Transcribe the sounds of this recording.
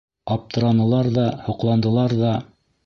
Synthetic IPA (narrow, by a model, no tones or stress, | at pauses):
ɑp̚t̪ɤ̆ɾɑnɤ̆lˠɑɾðɑhŏqlˠɑnd̪ɤ̆lˠɑɾðɑ